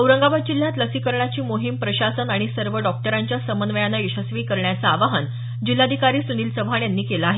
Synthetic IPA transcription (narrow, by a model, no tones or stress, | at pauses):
əwɾəŋɡabad̪̚d͡ʑil̤ːjat̪ləsiːkəɾɳat͡ɕiːmoɦimpɾəɕasənaɽ̃isəɾʋəɖɔk̚ʈəɾaɲt͡ɕjasəmənʋəjanːaiɕəsʋiːkəɾɳjat͡saːʋaɦən | d͡ʑilːad̪ʱikaɾiːsuniːlsəbʱaɳjanːiːkelaaɦe